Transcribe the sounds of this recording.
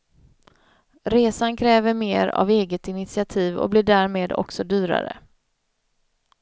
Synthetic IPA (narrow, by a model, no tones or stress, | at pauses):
ɾeːsankʰɾɛːvəɾmeːɾa̰veːɡət̪ɪnɪt̪sɪat̪ʰiːvɔ̰blɪɖæːɾmeːd̪ɔ̰ksɔd̪yːɾa̰ɾə̰